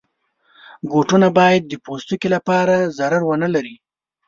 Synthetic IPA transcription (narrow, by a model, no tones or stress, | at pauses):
ɡoʈunabɑjad̪̚ːəpost̪ukilapɑɾazaɾaɾwənalaɾi